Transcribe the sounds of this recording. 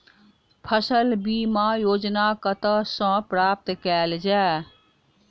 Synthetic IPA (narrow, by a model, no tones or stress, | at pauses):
pʰəsəlbimajoːd͡ʒnakət̪əsə̃pɾap̚t̪kɛld͡ʒa